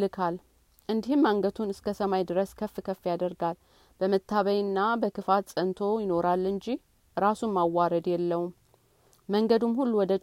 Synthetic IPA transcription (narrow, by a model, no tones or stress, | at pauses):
ɨkʰal | ʔɨnd̪ihɨmːaŋɡət̪ʰunɨskʰəsəmajd̪ɨɾəskʰəfːkʰəfːjad̪əɾɡal | b̥əmət̪ʰːaβəjɨnːabəkʰɨfat̪sʼənt̪ʰo̞jɪno̞ɾalːɨɲd͡ʒih | ɾasumːawːaɾəd̪jɛlːəwumː | əŋɡəd̪umhulːuwɔd̪ə